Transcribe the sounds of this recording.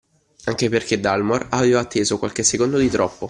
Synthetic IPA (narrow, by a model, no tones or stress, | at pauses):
aŋkeperked̪ːalmoraveːvaːt̪ʰːeːzokwalk̟esːekond̪od̪it̪ɾɔpːo